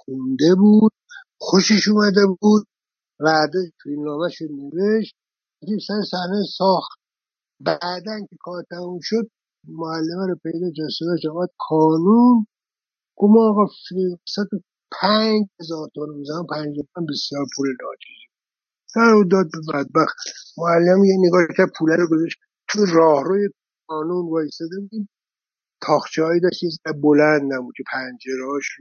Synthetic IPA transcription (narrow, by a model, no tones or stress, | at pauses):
xund̪ebuːd̪̥̚ | xoʃeʃuːmæd̪ebuːd̪̚ | væɾd̪efʰiilnɒːmæʃod̪neveʃt̪̚ | ækisæɾesæhnejesɒːxt̪ | bæːd̪ænkʲʰekʰɒːɾt̪ʰæmuːmʃod̪̚ | moælːemæɾɔpʰe̞jd̪ɒːkæsolæːkɔːmæd̪̚xʰɒːnun | ɡ̥ovmɔːɣɑfsæt̪o | pʰænd͡ʒhezɒːɾt̪ʰomnebuzæɔmpʰæɲd͡ʒeɾt̪oæmbesjɒːɾpʰulenɒːt͡ʃʰe̥ʃ | d̪æɾud̪ɒːd̪̚bebæd̪̚bæxt̪moælːemæmjeneɡɒːkʰæɾd̪̚pʰuːlæɾoɡozɑʃt̪ | t̪ʰuerɒːhɾoje | xɒːnunvɒːjest̪ɒd̪ebud̪i | t̪ʰɒːxt͡ʃʰeɒːid̪ɒʃt̪jezæbolænd̪næbud̪̚kʰepʰænd͡ʒeɾhɒːʃ